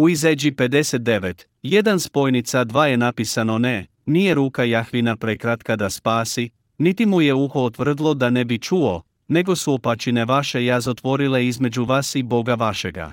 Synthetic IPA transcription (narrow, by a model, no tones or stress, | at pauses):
uized͡ʑipe̞d̪e̞set̪̚d̪e̞ʋet̪ | je̞d̪anspo̞jnit̪sad̪ʋaːje̞napisano̞ne̞ | nije̞ɾuːkajaxʋinapɾe̞kɾat̪kad̪aspaːsi | nit̪imuje̞uxoot̪ʋr̩d̪lˠo̞d̪ane̞bit͡ʃuo̞ | ne̞ɡo̞suopat͡ʃine̞ʋaʃe̞jazot̪ʋo̞ɾile̞izme̞d͡ʑuʋaːsibo̞ɡaʋaʃe̞ɡa̰